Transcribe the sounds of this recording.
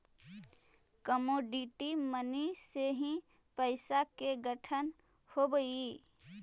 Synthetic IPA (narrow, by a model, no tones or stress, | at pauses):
kəmoːɖiʈiməniseɦĩ | pəɪsakeɡəʈʰən | hobəi